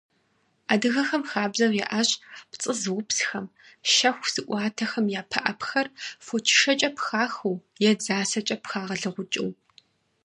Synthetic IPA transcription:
aːdɨɣɐxɐmxaːbzɐrjɛ̰ʔaːɕpt͡sʼɨzɨwʊpsxɐm | ʃɐxʷz̥ɨʔʷʼɑːtʰɐxɐmjaːpʰɐʔɐpxɐrfot͡ʃʰɪ̥ʂɐt͡ʃʼɐpxaːxuwjɛd͡zaːsɐt͡ʃʼɐpxaːʁɐɮɨʁʷʊt͡ʃʼɪ̰w

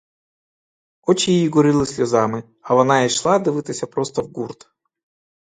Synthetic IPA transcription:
ot͡ɕɪjijiɡʊɾɨlˠɨsʲlʲʊzamɨ | ɐvɐnaiʂlˠad̪ɨvɨt̪ɐsʲəpɾost̪ɐvɡurt̪

